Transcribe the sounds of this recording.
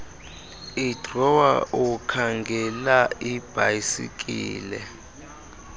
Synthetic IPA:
id̥rɔwa̰ʔukʰaŋɡʱɛlaib̥ʱajisḭkʼḭːlɛ

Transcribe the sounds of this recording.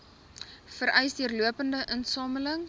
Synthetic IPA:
fəɾœjsdiərluəpəndəʔənsɑːmələŋ

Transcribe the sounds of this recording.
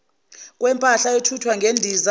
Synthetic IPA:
kʼwɛmpʼaɬaetʰutʰwaŋɡʱendʱiza

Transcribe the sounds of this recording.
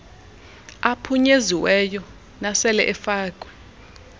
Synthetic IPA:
apʰuɲeziwɛjɔ | nasɛlɛʔɛfaːkʼwɛ

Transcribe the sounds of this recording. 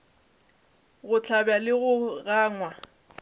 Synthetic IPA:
ɣʊt͡ɬʰabjalɪɣʊɣaːŋwa

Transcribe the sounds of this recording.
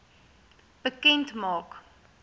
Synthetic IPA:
b̥əkɛ̃ntmɑːk

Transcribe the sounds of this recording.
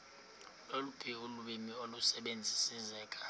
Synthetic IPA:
lolub̥ʰʼʱiuluɓimiolusɛɓend͡zʱisizɛːkʼḁ

